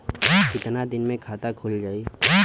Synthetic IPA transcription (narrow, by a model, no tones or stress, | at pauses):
kɪt̪nad̪ɪnmẽkʰaːt̪akʰʊld͡ʒaːiː